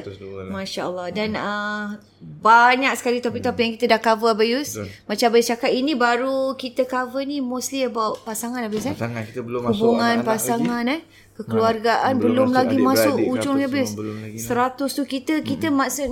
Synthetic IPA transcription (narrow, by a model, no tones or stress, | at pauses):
maʃaəlˠːahdanə | baɲak̚sə̥kalit̪apik̚t̪apəjaŋkit̪ədahkavəabajusmat͡ʃabajist͡ʃakat̪inĩbaɾukit̪əkavənimuslibawʔpasaŋanabɪsa | hubuŋanpasaŋanɛh | kəkəluarɡaʔanbəlʊmlaɡimasʊʔut͡ʃʊŋaiabɪssːəɾat̪ʊst̪ukit̪əkit̪əmasʊʔ